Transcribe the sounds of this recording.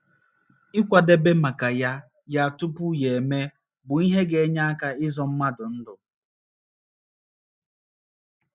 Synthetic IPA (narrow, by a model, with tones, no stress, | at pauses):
ɪ˦kʷa˨de˦be˦ma˨ka˨ja˦ | ja˦a˨tʊ˦pʊ˦je˨me˦ | bʊ˨i˦ɦe˦ɡe˨e˦ɲa˦a˦ka˦ɪ˦zɔ˨m̩˦ma˦dʊ˨n̩˦dʊ˨